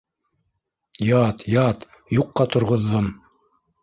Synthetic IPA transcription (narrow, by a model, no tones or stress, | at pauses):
jɑt̪jɑt̪ | juqːɑt̪ŏɾʁŏðːom